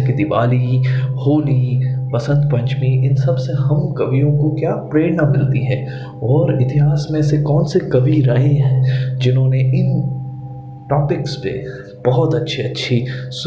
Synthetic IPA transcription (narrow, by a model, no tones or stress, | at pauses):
kid̪ɪʋa̰ːlihoːlipɐsə̃nd̪pɐ̃ɲt͡ʃmiɪnsɐbseɦɐmkɐʋijõkokjaːpɾeːɽnamɪlt̪iɦɛ̃ː | ɔːɾɪt̪ɪɦaːsmẽsekɔːnsekɐʋiɾɐɦẽɦɛ̃ːd͡ʒɪnɦõːneɪn | ʈɔːpɪkspḛ | b̥ɐɦʊt̪ɐtːʃʰiɐtːʃʰis